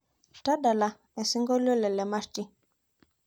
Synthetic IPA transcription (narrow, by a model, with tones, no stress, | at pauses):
ta˦da˨la˨ | ɛ˨si˦ŋɡɔ˦lɔ˦lɛ˨lɛ˨ma˦sti˦